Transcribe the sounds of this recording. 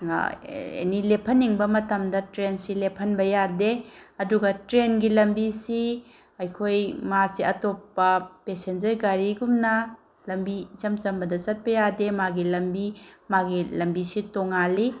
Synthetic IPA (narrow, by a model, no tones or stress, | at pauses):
ḛnilepʰɐnːiŋbɐmɐtɐmdɐtɾensilepʰɐnbɐjadeɐduɡɐtɾenɡilɐmbisi | ɐjkʰojmasiɐtopːɐpesend͡ʒɐɾɡaɾiɡumnɐ | lɐmbit͡ʃɐmt͡ʃɐmbɐdɐt͡ʃɐt̚bɐjademaɡilɐmbimaɡilɐmbisitoŋali